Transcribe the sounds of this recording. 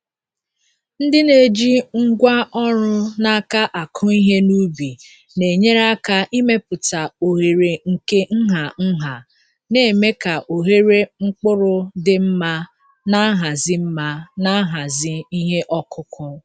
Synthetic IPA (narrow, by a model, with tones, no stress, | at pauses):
n̩˦dɪ˦ne˨d͡ʒi˦ŋ̩˦ɡʷa˦ʔɔ˦ɾʊ˦na˦ka˦ʔa˨kʰʊ˦i˦ɦe˦nu˦bi˨ | ne˨ɲe˦ɾa˦ka˦ʔi˦me˦pʊ˨ta˨o˨ɦe˨ɾe˨ŋ̩˨ke˦ŋ̩˦ɦa˨n̩˦ɦa˨ | ne˨me˦ka˨ʔo˨ɦe˦ɾe˦ŋ͡m̩˦k͡pʊ˦ɾʊ˦dɪ˦m̩˦ma˦ | na˦ɦa˨zɪ˦m̩˦ma˦na˦ɦa˨zɪ˦i˦ɦe˦ʔɔ˦kʰʊ˦kʰʊ˦